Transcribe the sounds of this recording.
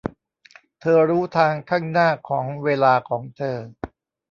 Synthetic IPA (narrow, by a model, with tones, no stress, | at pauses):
t̪ʰɤː˧ɾuː˦˥t̪ʰaː˧ŋkʰaː˥˩ŋnaː˥˩kʰɔː˩˦ŋweː˧laː˧kʰɔː˩˦ŋt̪ʰɤː˧